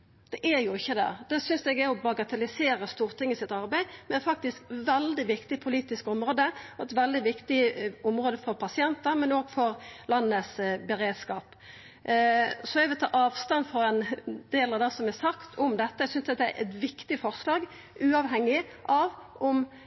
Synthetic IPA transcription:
d̪̥ɛʔæɾjʊɪçːəd̪ɛ̰d̪̥ɛsʏnsɛɡɛɾɔbɑɡɑt̪ʰɛlɪseːɾəst̪uːʁt̪ʰɪŋːəsɪt̪ɑɾbæɪmɛnɛfɑk̚t̪ɪskʋɛld̪ɪʋɪkt̪ɪpʰʊliːt̪ɪskɔmɾoːd̪əɔɛt̪ʋɛld̪ɪʋɪkt̪ɪʊmɾoːd̪əfɔʁpʰɑsɪɛnt̪əɾmɛnoːɡfɔɾlɑnːəsbɛɾeːd̪skɑːp | sɔɛɡʋɪlt̪ɑ̰ːʔɑːʋst̪ɑnfɔɾɛnd̪̥eːlɑʋd̪ɛːsɔmɛsɑkt̪ʰɔmd̪ɛt̪ːəɛɡsʏnsɑt̪̚d̪ɛæ̰ɾʔɛ̰t̪ʋɪkt̪ɪfɔʁslɑːɡ | ʉːɑʋɦɛŋːɪʔɑʋʔɔm

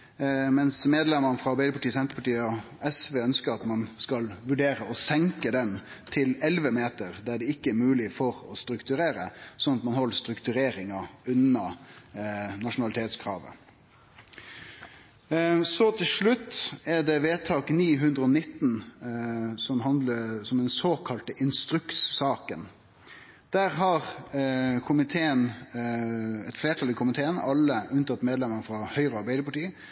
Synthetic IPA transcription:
mɛnsmeːd̪lɛməɾnəfʁɑɑbæɪd̪əpʰɑʈiːsɛnt̪ɾəpɑʈiːəɔ | ɛsʋeːœnskəɾɑt̪mɑnskɑlʋʉɖeːɾəɔsɛŋkəd̪ɛn | t̪ʰɪlɛlʋəmeːt̪əɾd̪æɖɛɪkːəæɾmʉːlɪfɔɾɔst̪ɾʉkt̪ʉɾeːɾəsɔnɑt̪mɑnhɔlːəst̪ɾʉkt̪ʉɾeːɾɪŋɑʉnɑ | nɑʂʊnɑlɪt̪ʰeːt̪skʰʁɑ̰ːʋə̰ | sɔt̪ʰɪlʂɭʉt̪ːɛɖɛʋeːt̪ʰɑːkniːɦʉnd̪ʁəɔnɪt̪ːn̩ | sɔmɦɑnd̪ləsɔmd̪ɛnsoːkʰɑlt̪əʔɪnst̪ɾʉkssɑːkən | d̪̥æːʁɦɑʁ | kʰʊmɪt̪ʰeːən | ɛ̰t̪fleːʈʰɑlɪkʊmɪt̪ʰeːənɑlːəʔʉnt̪ʰɑt̪ːmeːd̪lɛməɾfɾɑhœʏɾəɑɾbæɪd̪əpʰɑʈiːə

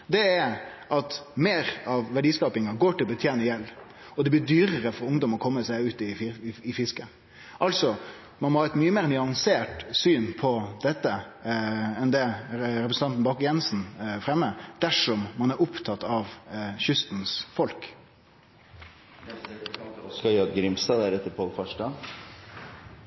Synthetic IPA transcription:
d̪ɛæʔɑt̪meːɾɑʋʋæɖiːskɑːpɪŋɑɡoːʈʰɪlɔbət̪ʰjeːnəjɛlː | ɔd̪ɛbliːd̪yːɾəɾəfɔɾʊŋd̪ɔmɔkʰɔmːəsæɪʉːt̪ɪɪfɪskə | ʔɑlsɔ | mɑnmɔhɑːɛt̪myːəmeːɾnʏɑŋseːʈsyːnpʰɔd̪ɛt̪ːə | ɛnd̪ɛɾɛpɾəsn̩t̪ɑnt̪n̩bɑːkjɛnsn̩fɾɛmːəd̪̥æʂɔmːɑnæɾʊpt̪ʰɑt̪ːɑʋçʏst̪n̩sfɔlk | skɑɑd̪ɡɾɪmst̪ɑːd̪æɾɛt̪ːəɾpʰɔlfɔʂʈɑn

